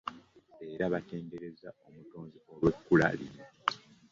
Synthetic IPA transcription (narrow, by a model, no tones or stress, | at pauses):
e̞ːɾaβate̞ːnde̞ɾe̞zao̞mutoːnziolwe̞kːula̰lḭno